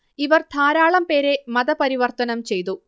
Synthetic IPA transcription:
iʋɐrt̪ʰaːɾaːɭɐmpeːɾe̞mɐðɐpɐɾiʋɐrt̪ɐnɐmt͡ɕe̞jt̪̬u

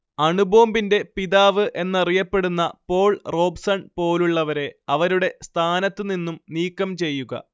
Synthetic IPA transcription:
ɐɳubo̞ːmbinde̞piðaːʋɨʔe̞nːɐrijɐpːe̞ɽunːɐ̰po̞ːɭro̞ːbsɐɳpo̞ːluɭːɐʋɐɾe̞ɐʋɐɾuɽe̞st̪ʰaːnɐt̪ːɨninːumniːkːɐmt͡ɕe̞jːuɣɐ̰

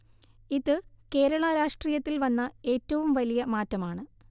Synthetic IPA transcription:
iðɨke̞ːɾɐɭɐɾaːʂʈriːjɐt̪ːilʋɐnːɐe̞ːtːɐʋumʋɐlijɐmaːtːɐmaːɳɨ

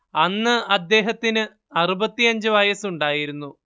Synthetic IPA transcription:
ɐnːɨɐd̪ːe̞ːɦɐt̪ːinɨ | ɐrubɐt̪ːijɐɲd͡ʑɨʋɐjɐsuɳɖaːjiɾunːu

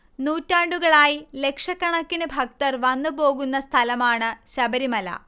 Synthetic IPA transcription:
nuːtːaːɳɖuɣɐɭaːjile̞kʂɐkːɐɳɐkːinɨbʱɐk̚t̪ɐrʋɐnːubo̞ːɣunːɐst̪ʰɐlɐmaːɳɨɕɐbɐɾimɐlɐ̰

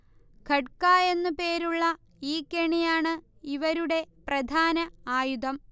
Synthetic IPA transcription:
kʰɐʈkaːje̞nːupe̞ːɾuɭːɐ | iːkːeɳijaːɳɨ | iʋɐɾuɽe̞prɐd̪ʱaːnɐaːjud̪ɐm

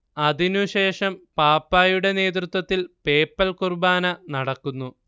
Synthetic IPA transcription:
ɐd̪inuɕe̞ːʂɐmpaːpːaːjuɽe̞ne̞ːt̪rut̪wɐt̪ːilpe̞ːpːɐlkurbaːnɐnɐɽɐkːunːu

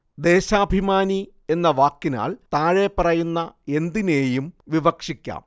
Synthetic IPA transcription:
d̪e̞ːɕaːbʱimaːni | e̞nːɐʋaːkːina̰ːɭt̪aːɻe̞pɐrɐjunːɐe̞nd̪ine̞ːjumʋiʋɐkʂikʲːa̰ːm

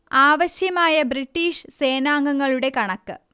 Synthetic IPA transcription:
aːʋɐɕjɐmaːjɐbriʈːiːʂse̞ːnaːŋɡɐŋːɐɭuɽe̞kɐɳɐkːɨ

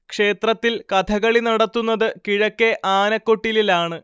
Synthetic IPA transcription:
kʂe̞ːt̪rɐt̪ːilkɐt̪ʰɐɣɐɭinɐɽɐt̪ːunːɐðɨkiɻɐkːeʔaːnɐkːo̞ʈːililaːɳɨ

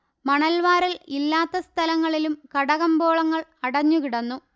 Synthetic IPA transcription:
mɐɳɐlʋaːɾɐlilːaːt̪ːɐst̪ʰɐlɐŋːɐɭilumkɐɽɐɣɐmbo̞ːɭɐŋːɐɭɐɽɐɲːukiɽɐnːu

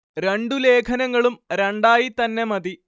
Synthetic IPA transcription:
ɾe̞ɳɖule̞ːkʰɐnɐŋːɐɭumɾeɳɖaːjit̪ɐnːe̞mɐd̪i

